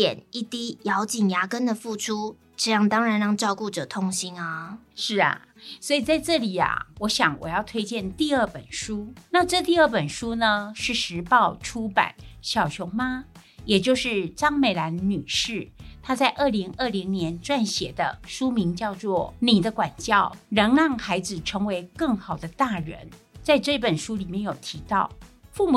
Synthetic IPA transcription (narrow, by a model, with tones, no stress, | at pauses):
ɛ̰˨˩ni˥˩t̪i˥jɑ˧˥ʊt͡ɕi˨˩ŋja˧˥kə˥nd̪ə˨fu˥˩ʈ͡ʂʰu˥ | ʈ͡ʂɤ˥˧jɑ˥˩ŋt̪ɑ˥ŋɻa˨˧˦nɻɑ˥˧ŋʈ͡ʂɑ˥˧ʊku˥˩ʈ͡ʂɤ˨˩t̪ʰʊ˥ŋɕi˥nɐ˧ | ʂɻ̩˥˩ɐ̰˩ | swɔ˧˥i˨˩t͡sa˥˧ɪʈ͡ʂɤ˥˩li˨˩ɐ̰˨˩wʔɔ˧˥ɕjɑ˨˩˦ŋwɔ̰˨˩jɑ˥˩ʊt̪ʰwe˥ɪt͡ɕjɛ˥˧nt̪i˥˧ə˥˩pə˨˩nʂu˥na˥˧ʈ͡ʂɤ˥˧t̪i˥˧ə˥˩pə˨˩nʂu˥nə˨ʂɻ̩˥˩ʂɻ̩˧˥pɑ˥˩ʊʈ͡ʂʰu˥pa̰˨˩˦nɕjɑ˨˩ʊt͡ɕʰjʊ˧˥ŋma˧ | jɛ˨˩t͡ɕjo˥˧ʊʂɻ̩˥˩ʈ͡ʂɑ˥ŋme˨˩ɪla˧˦˥nny˨˩ʂɻ̩˥˩t̪ʰa˥t͡sa˥˧ɪʔə˥˩li˧˥ŋə˥˩li˧˥ŋnjɛ˧˥nʈ͡ʂwa˥˩nɕjɛ̰˨˩d̪ə̰˦ʂu˥mi˧˥ŋt͡ɕjɑ˥˧ʊt͡swɔ˥˩ni˨˩d̪ə˦kwa˨˩nt͡ɕjɑ˥˩ʊɻə˧˥ŋɻɑ˥˩ŋxa˧˥ɪd͡zɹ̩˨ʈ͡ʂʰɤ˧˥ŋwe˧˥ɪkɤ˥˩ŋxɑ˨˩ʊd̪ə˦t̪a˥˩ɻə̰˧˥nt͡sa˥˧ɪʈ͡ʂɤ˥˧i˥˩pə˨˩nʂu˥li˨˩mjɛ˥˩njo˨˩ʊt̪ʰi˧˥t̪ɑ˥˩ʊfu˥˩mu˨˩